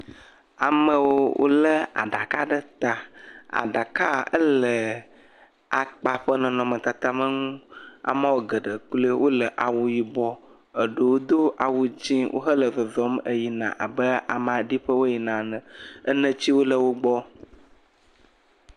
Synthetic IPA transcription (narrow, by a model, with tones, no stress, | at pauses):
a˨mə̃˦wo˦wʔo̰˦lə˦a̰˨ɖa˨ka˦ɖə˦t̪a˨a̰˨ɖa˨ka˦ə̰˦lə˨ | a˨k͡pa˨ɸə˦nɔ̃˨nɔ̃˨mə̃˨t̪a˨t̪a˦mə˦ŋũ˦a̰˨mə̃˦wo˦ɡə˨ɖə˨k͡plə˦wʔo˦lə˨ʔa˨wu˨ji˨bɔ˦ | ə˨ɖə˨wo˦d̪o˦ʔa˨wu˨d͡ʑĩ˦wʔo̰˦ɦə˦lə˨zɔ˨zɔ˦mə˦ji˨nã̰˨ʔa˨bə˦a̰˨mã˨ɖi˦ɸə˦wo˦ji˨nã˨nə̃˨ə˦nə̃˦t͡ɕi˦wo˦lə˦wo˦ɡ͡bɔ˦